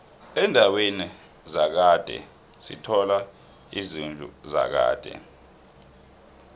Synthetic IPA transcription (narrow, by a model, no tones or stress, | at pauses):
ɛndʱaweni | zak̬ad̥ʱɛ̰ | sḭtʰɔla | izind͡ɮʱṵza̰k̬a̰ːd̥ʱɛ̰